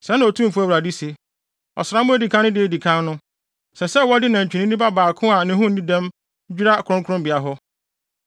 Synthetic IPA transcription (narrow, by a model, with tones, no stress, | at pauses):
sɛ˨˦nã˨ɔ˨tʰũ˦m̩˨fu˦æ˦wɾa˨di˦se˨ | ɔ̰˨sɾa˨˦mʊ̃˦æ˦˨di˨kʰã˦nːʊ̃˦dɪ˦e˨di˨kʰã˦n˦nʊ̃˦ | sɛ˨sɛ˦wɔ˦dɪ˦nã˨ɲ̩˨t͡ɕᶣi˨nĩ˦ĩ˦ba˦baː˨kʰʊ̃˦a˨nɪ̃˦ɦʊ̃˦n̩˨nĩ˦dɛ̃˦m˦ | d͡ʑᶣi˦ɾa˦˨kʰʊ˨ɾʊ̃˦ŋkʰʊ˦ɾʊ̃˦mbɪ˨a˨ɦɔ˦